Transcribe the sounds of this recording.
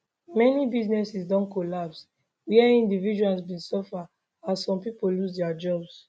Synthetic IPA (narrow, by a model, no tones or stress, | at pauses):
mɛnibiznɛsisdɔ̃nkolaps | wiɛĩndivid͡ʒualsbĩnsɔfa | assɔ̃mpipolusdɛad͡ʒɔbs